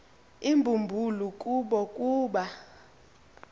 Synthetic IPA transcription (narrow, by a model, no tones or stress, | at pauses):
imbʱumbʱulukʼuɓɔkʼuːɓa